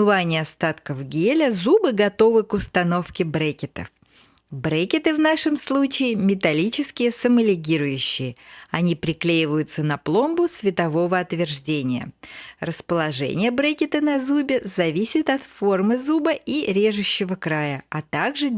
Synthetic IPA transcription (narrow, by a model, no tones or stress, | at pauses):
ɨvanʲɪɐst̪at̪kəfɡʲelʲəzubɨɡɐt̪o̞vɨkʊst̪ɐno̞fkʲɪbɾekʲɪt̪ə̰f | bɾekʲɪt̪ɨvnaʂɨmslˠut͡ɕɪɪmʲɪt̪ɐlʲit͡ɕɪskʲɪjəsəməlʲɪɡʲiɾʊjʉɕːɪjəɐnʲipɾʲɪklʲejɪvəjʊt̪sənɐplˠo̞mbʊsvʲɪt̪ɐvo̞vəɐt̪vʲɪrʐdʲenʲɪjə̰rəspəlˠɐʐɛ̰nʲɪjəbɾekʲɪt̪ənɐzubʲɪzɐvʲisʲɪt̪ɐt̪fo̞rmɨzubəʔiɾʲe̞ʐʊɕːɪvəkɾajəɐt̪aɡʐɨ